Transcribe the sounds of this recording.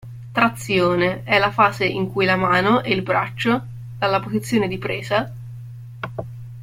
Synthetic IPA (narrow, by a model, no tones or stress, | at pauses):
t̪ɾat̪sːjoːneɛlafaːzeiŋkujlamaːnoʔɛilbɾat͡ʃːo | d̪̥alːapozit̪sːjoːned̪ipɾeːza